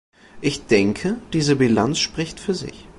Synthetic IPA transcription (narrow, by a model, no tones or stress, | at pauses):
ʔɪçd̥ɛŋkʰəd̥iːzəbilant͡sʃpʁ̥ɪçtfyːɐzɪ̰ç